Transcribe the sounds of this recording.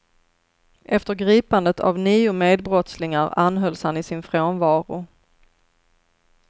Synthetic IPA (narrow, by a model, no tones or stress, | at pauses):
ʔɛft̪əɾɡɾiːpand̪ət̪ʰa̰vniːʊmeːd̪̚bɾɔt̪slɪŋaɾanɦœlshanːɪsɪnfɾoːnvɑːɾʊ̰